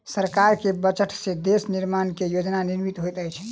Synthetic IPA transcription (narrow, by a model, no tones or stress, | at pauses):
səɾkaɾkebət͡ʃəʈʰsẽd̪esniɾmankejod͡ʒnaniɾmit̪ɦojt̪əjt͡ʃʰ